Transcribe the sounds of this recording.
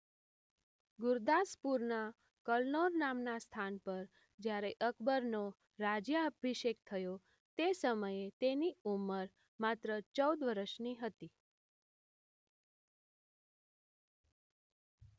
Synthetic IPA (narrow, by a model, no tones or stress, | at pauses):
ɡʊɾd̪aspuɾna | kəlnoɾnamnast̪ʰanpəɾ | d͡ʒjaɾeʔəkʰbəɾno | ɾad͡ʒjaəbʱiʃek̚t̪ʰəjo | t̪esəməjet̪eniuməɾ | mat̪ɾət͡ʃəwd̪ʋəɾəʃniɦət̪i